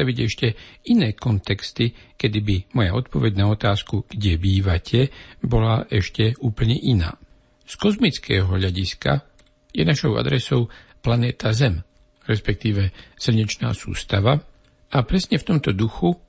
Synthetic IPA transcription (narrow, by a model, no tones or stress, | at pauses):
aʋiɟɛʃcɛinɛːkɔnt̪ɛkst̪ikɛd̪ibimɔjaɔt̪pɔʋɛɟnaɔt̪aːskuɡ̥ɟɛbiːʋacʰɛbɔlaʔɛʃcɛuːpl̩ɲɛʔina̰ː | skɔzmit͡skɛːɦɔʎaɟiska̰ | jɛnaʃɔʊa̰d̪ɾɛsɔʊplanɛːt̪azɛm | ɾɛspɛk̚t̪iːʋɛsl̩ɲɛt͡ʃna̰ːsṵːst̪aʋa | apɾɛsɲɛft̪ɔmt̪ɔd̪uxu